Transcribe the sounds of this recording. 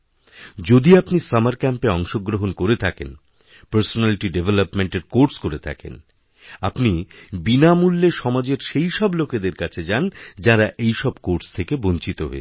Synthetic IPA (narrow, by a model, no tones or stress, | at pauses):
d͡ʑod̪iapnisamaɾkɛmpeɔŋʃoɡɾoɦonkoɾet̪ʰaken | pəɾsonaliʈiɖevʱelopmeɳʈeɾkoɾskoɾet̪ʰa̰kḛn | apnibinamulːeʃɔmad͡ʑeɾʃejʃɔbloked̪eɾkat͡ɕʰed͡ʑand͡ʑaɾaʔejʃɔbkoɾst̪ʰekebont͡ɕit̪oɦo̰e